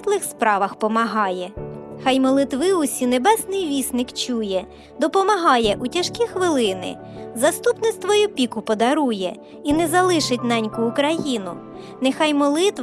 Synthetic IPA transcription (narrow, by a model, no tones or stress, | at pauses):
t̪lˠɪxspɾɑʋɐxpɔmɐɦɑjɛxɑjmɔlˠɪt̪ʋɪʊsʲinebɛsnɪjʋʲisnɪkt͡ʃujɛ | d̪ɔpɔmɐɦɑjɛʔutʲɐʃkʲixʋɪlˠɪnɪ̰ | zɐst̪upnɪst̪ʋɔjʊpʲikʊpɔd̪ɐɾujɛ | inɛzɐlˠɪʃɪtʲnɛnʲkʊːkɾɐjinʊ | nexɑjmɔlˠɪt̪ʋ